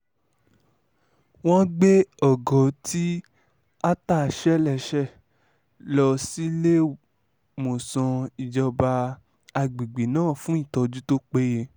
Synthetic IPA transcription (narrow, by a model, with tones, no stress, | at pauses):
w̃ɔ̃˦ɡ͡be˦ɔ˦˨ɡɔ˨˦ti˦ | a˦ta˦˨ʃɛ˦lɛ˨ʃɛ˦˨ | lɔ˧si˦le˦ | mo˨sɔ̃˧i˨d͡ʒɔ˧ba˧ | a˧ɡ͡bi˨ɡ͡bi˨nãː˦˨fũ˦i˦˨tɔ˧d͡ʒu˦to˦k͡pe˦je˧